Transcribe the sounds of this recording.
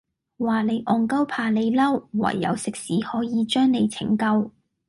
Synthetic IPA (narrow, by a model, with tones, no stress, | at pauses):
waː˨ne˨˧jʔɔː˨ŋkɐ˥wpʰaː˧le˨˧jlɐ˥wːɐ̰˨˩jːɐ̰˨˧wsɪ˨k̚siː˨˥hɔː˨˥jiː˨˧t͡ʃœː˥ŋne˨˧jt͡sʰɪ̰˨˩ŋkɐ˧w